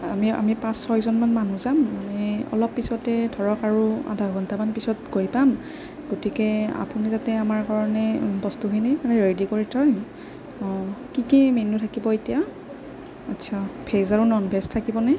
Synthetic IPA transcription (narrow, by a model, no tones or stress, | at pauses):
amia̰mipãsːɔjzɔnmanmanuzamːanɛɔ̰lɔpːisɔtɛdʱɔɹɔkaɹua̰dʱaɡɔntamanpisɔt̚ɡoɹjpam | ɡotikɛa̰punizatɛamaɹkaɹɔnɛbɔstuɦinɛmanɛɹedikoɹitʰɔj | ɔ̃kikimenutʰakibɔetija | atːsʰapʰezaɹunɔnbʱɛstʰːakibɔnɛ